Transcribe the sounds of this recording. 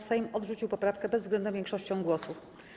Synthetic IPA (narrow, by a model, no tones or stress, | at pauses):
sajmɔd̪ʐut͡ɕiwpɔpɾafkɛbɛzzɡlɛnd̪vʲjɛŋkʂɔɕt͡ɕɔ̃w̃ɡwɔsuf